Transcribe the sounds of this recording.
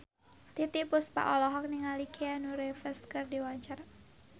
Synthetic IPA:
t̪it̪ipʊspa̰ʔɔlɔɦɔk̚niŋalikʰeanuɾefəskərdiwat͡ʃar

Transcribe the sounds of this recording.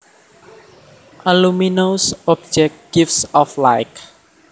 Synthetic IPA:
ʔaluminosɔb̚d͡ʒɛk̚ɡ̥ifsɔflajk

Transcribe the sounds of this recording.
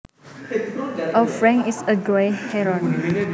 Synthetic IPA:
ʔafɹɛ̃ŋisəɡɔjhɛɹɔ̃n

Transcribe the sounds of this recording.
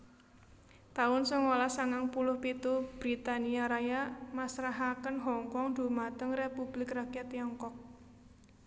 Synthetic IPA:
t̪aʊnsɔŋolasaŋaŋpulʊhpit̪ub̥ɾit̪aniaɾajamasɾaɦakənɦɔŋkɔŋd̪̥ṳmat̪əŋrepub̥lɪkrakiat̪iɔŋkɔk̚

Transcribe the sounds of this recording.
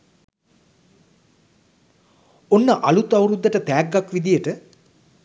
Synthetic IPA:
onːəʔɐlut̪ɐwɾud̪ːəʈət̪æːɡːakʋid̪ijəʈə

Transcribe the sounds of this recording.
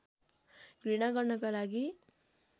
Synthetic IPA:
ɡ̥ɾiɽ̃aɡʌrnʌkalaɡi

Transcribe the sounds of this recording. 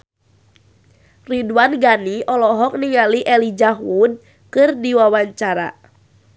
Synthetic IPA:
riduanɡaniʔɔlɔɦɔk̚niŋaliʔɛlid͡ʒaɦwud̚ | kɨrdiwawaɲt͡ʃaɾa̰

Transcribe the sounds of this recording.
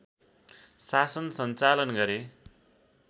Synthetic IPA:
sasʌnsʌnt͡salʌnɡʌɾe

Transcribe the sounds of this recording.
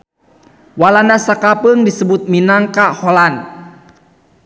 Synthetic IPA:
walanasakapəŋdisəbʊt̪̚minaŋkaholan

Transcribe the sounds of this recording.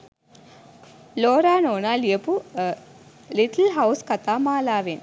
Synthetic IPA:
loːɾaːnoːnaːlijɐpu | liʈlɦɐwskɐt̪aːmaːlaːʋen

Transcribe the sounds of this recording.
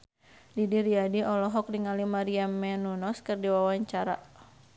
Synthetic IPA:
didiɾiadiʔɔlɔɦɔk̚niŋalimaɾiamːɛnunɔskɨrdiwawaɲt͡ʃaɾaʔ

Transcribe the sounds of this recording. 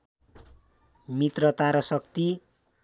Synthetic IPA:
mit̪rʌt̪aɾʌsʌkt̪i

